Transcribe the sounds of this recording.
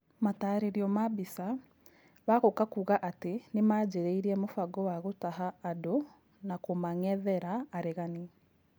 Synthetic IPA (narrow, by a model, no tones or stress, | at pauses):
mataːɾeɾiɔmabisa | βaɣokakuːɣaʔatenemaːd͡ʑeɾeiɾiɛmofaɡɔwaɣotaɦaːdo | nakomaŋɛðɛɾaːɾeɣani